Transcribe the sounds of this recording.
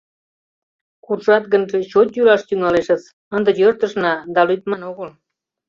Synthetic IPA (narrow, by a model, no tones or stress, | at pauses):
kurʃɑt̪ɡənʒeɕot̪jylɑʃt̪yŋɑleʃət͡s | ənd̪ə̆jørt̪əʃnɑd̪ɑlujt̪mɑnoɣəl